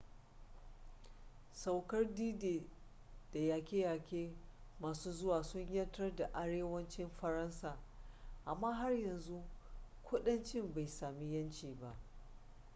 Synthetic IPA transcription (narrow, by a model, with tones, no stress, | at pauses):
sa˨wkɐ˦rdiː˦deː˨ | d̥a˨jaː˨kʲeː˦jaː˨kʲeː˦maː˨suː˦zʊ˦waː˨sʊ˦ɲjɐ˦tɐ˦rda˨ʔa˦ɽeː˦wɐ˦nt͡ʃɪ˦mɸɐ˨ɾɐ˦nsaː˨ʔa˨mːaː˦ɦa˦rjɐ˨nzu˦kʷʰʊ˦ɗɐ˦nt͡ʃɪ˦mba˨jsaː˨mi˦jɐ˦nt͡ʃiː˨ba˦ʔ